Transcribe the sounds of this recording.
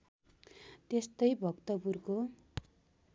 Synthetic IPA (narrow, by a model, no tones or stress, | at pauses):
t̪est̪ʌjbʱʌkt̪ʌpurko